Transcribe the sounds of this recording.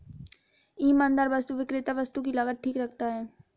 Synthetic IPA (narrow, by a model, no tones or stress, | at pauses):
iːmãːnd̪əɾʋəst̪uʋɪkɾɪt̪aʋɐst̪ukilaɡət̪̚ʈʰiːkɾɐk̚ʰt̪aɦɛː